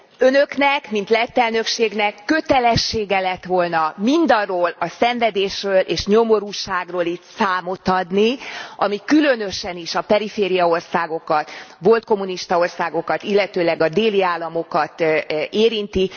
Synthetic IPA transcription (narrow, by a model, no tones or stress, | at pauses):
ønøknɛkmint̪lɛt̪ːɛlnø̞kʃeːɡnɛkːø̞t̪ɛlɛʃːeːɡɛlɛt̪ʋo̞lnɒmind̪ɒrːoːlɒsɛɱvɛd̪eːʃrøːlʔeːʃɲo̞mo̞ɾuːʃaːɡroːlit̪saːmo̞t̪ɒd̪niʔɒmikylø̞nø̞ʃɛniʃɒpɛɾifeːɾijɒo̞rsaːɡo̞kɒt̪ʋo̞lt̪̚ko̞muniʃt̪ɒo̞rsaːɡo̞kɒt̪ilːɛt̪øːlɛɡɒd̪eːliaːlːɒmo̞kɒt̪eːɾint̪i